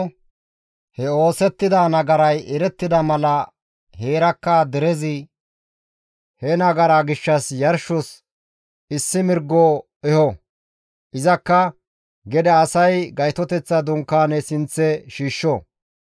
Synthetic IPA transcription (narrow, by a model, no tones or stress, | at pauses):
hɛo̞ːsɛt̪ːɪd̪aːnɐɡɐɾɐjɛɾɛt̪ːɪd̪ɐmɐlɐ | he̞ːɾɐkːɐd̪ɛɾɛzɪ | hɛnɐɡɐɾaɡɪʃːɐsjɐɾʃɔs | ɪsːɪmɪɾɡːoː | ɛhɔ | ʔɪzɐkːɐ | ɡɛd̪ɐːsɐjɡɐjt̪ɔt̪ɛt͡sːɐd̪ʊŋkːaːnɛsɪnt͡sːɛʃiːʃːɔ